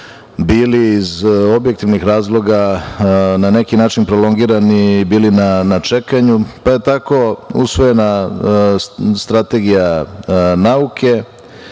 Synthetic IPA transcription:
biːliːzo̞bjek̚t̪iʋnixɾaːzlˠo̞ɡa | nane̞kinaːt͡ʃinpɾolo̞ŋɡiːɾanibiːlinanat͡ʂe̞kaɲupaje̞t̪ako̞ṵsʋo̞je̞na | st̪ɾat̪e̞ɡija | naukʰe̞

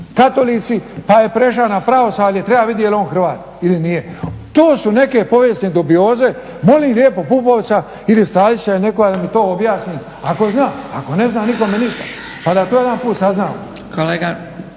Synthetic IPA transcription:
kat̪o̞lit̪sipaje̞pɾe̞ʃ̬anapɾao̞saːlet̪ɾe̞baʋid̪jeelioːnxr̩ʋaːt̪̚ | ilinijet̪oːsune̞ke̞po̞ʋjest̪ned̪ubio̞ːze̞ | mo̞liːmlʲjeːpo̞pupoʋ̪sa | ilist̪aːlit͡ɕane̞ko̞ɡad̪amit̪o̞ːobjaːsniː | ako̞znaːa̰ko̞ne̞znaːniko̞meniʃt̪ḁ | pad̪at̪oːjd̪anpuːt̪saznaːo̰ | kʰoleːɡa

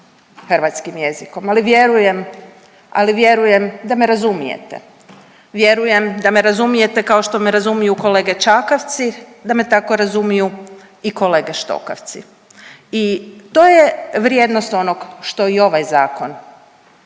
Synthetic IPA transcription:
xrʋat̪skimje̞ziko̞maliʋje̞ɾuje̞m | aliʋje̞ɾuje̞md̪ame̞ɾazumijḛt̪ḛ | ʋjeɾuje̞md̪ame̞ɾazumije̞t̪e̞kao̞ʃt̪o̞me̞ɾazumijuko̞le̞ɡe̞t͡ʃakaʋt̪sid̪ame̞t̪ako̞ɾazumiju | iko̞le̞ːɡeʃt̪o̞̰ka̰ʋt̪sḭ | it̪oːjeʋɾje̞d̪no̞st̪o̞no̞ɡʃt̪o̞io̞ʋajzaːko̞n

